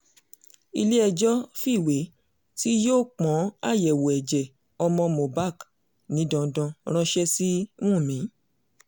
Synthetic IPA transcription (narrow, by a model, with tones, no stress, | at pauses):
i˧le˦ɛ˧d͡ʒɔ˦fi˦˨we˨˦ | ti˦joː˦˨k͡pɔ̃˨˦a̰˦˨jɛ˨wo˨ɛ˨d͡ʒɛ˨ | ɔ˧mɔ̃˧mõ˨ba˦˨k | nĩ˨˦dɔ̃˧˨dɔ̃˧ɾ̃ɔ̃˧ʃɛ˦sĩ˦ũ˦˨mĩ˨˦